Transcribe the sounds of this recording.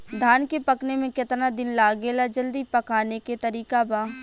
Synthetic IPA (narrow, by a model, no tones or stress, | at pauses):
d̪ʱaːnkepɐknemẽkɪt̪nad̪ɪnlaːɡeːlad͡ʒɐld̪ipɐkaːneket̪ɐɾiːkabaː